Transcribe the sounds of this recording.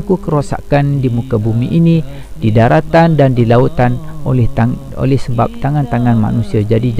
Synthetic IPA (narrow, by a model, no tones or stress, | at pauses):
kukəɾosa̰kandimukabumiʔini | d̥idaɾat̪andandilaut̪anolɛh | o̰lɛhsəbap̚t̪aŋant̪aŋanma̰nusiad͡ʒadid͡ʒ